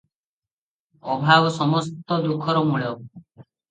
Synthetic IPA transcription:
ɔbʱabɔsɔmɔst̪ɔd̪ukʰɔɾɔmuɭɔ

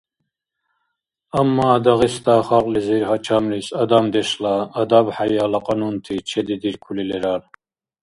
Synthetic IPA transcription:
amːad̪aɣist̪aːχaqʼliziɾhat͡ʃʰamlisad̪amd̪ɛʃlaːd̪abħajalaqʼanunt̪ʰit͡ʃʰɛd̪id̪iɾkʰulilɛɾal

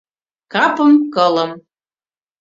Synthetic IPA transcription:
kɑpɤ̆mkɤ̆lɤ̆m

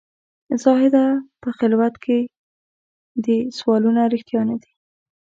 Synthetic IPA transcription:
zɑɦɪd̪apəxɪlwat̪kʰe | d̪əswɑlunaɾixt̪jɑnad̪i̥

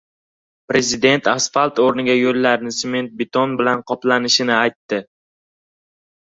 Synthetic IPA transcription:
pɾe̞zɪd̪e̞nt̪ʰasfalt̪oɾnɪɡʲajolːaɾnɪsme̞nt̪̚bɪt̪ʰonbɪlanqʰɒplanɪʃɪnɪajt̪ːɪ

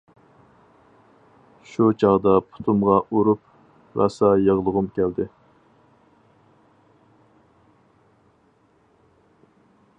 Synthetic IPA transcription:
ʃut͡ʃʰɑʁd̪ɑpʰʊ̥t̪ʰumʁɑʔuɾup̚ | vɑ̰sɑjəʁlˠəʁʊmkʲʰæld̪ɪ

